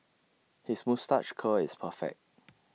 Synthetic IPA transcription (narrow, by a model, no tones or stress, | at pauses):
hismostat͡ʃkʰəɪspʰəfɛ̰k̚t̚